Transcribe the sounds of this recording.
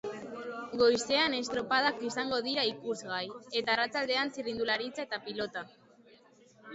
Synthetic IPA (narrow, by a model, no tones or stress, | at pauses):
ɡo̞jse̞ane̞st̪ɾo̞pað̞akisaŋɡo̞ð̞iɾaikuzɣaje̞t̪aːrat͡sald̪e̞ansirind̪ulaɾit͡saet̪apilo̞t̪a